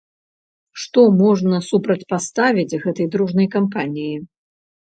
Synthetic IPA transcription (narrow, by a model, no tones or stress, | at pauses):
ʂt̪ɔmɔʐnɐsupɾɐt͡sʲpast̪avʲid͡zʲɣɛt̪ɐjd̪ɾuʐnɐjkampanʲiji